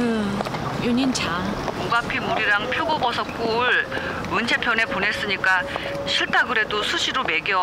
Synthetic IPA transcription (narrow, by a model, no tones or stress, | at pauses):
ɯjoɲint͡ɕʰamoɡapʰimuɾiɾaŋpʰjoɡobʌsʰʌk͈uɭ | ɯnt͡ɕʰe̞pʰjʌne̞pone̞s͈ɯɲik͈a | ɕʰiɭt͈aɡɯɾe̞dosʰuɕʰiɾome̞ɡeʌ